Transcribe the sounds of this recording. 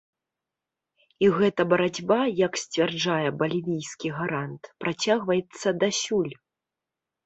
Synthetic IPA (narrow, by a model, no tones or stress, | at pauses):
iɣɛt̪ɐbɐɾad͡zʲbajɐksʲt͡sʲvʲard͡ʐajɛbɐlʲivʲijskʲiɣaɾant̪pɾʔat͡sʲaɣvɐjɛt̪sːɐd̪asʲulʲ